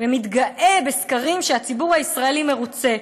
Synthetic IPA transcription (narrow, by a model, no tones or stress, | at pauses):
vemit̪ɡaʔe̞be̞skaʁimʃeat͡sibuʁhaisʁaelime̞ʁut͡se̞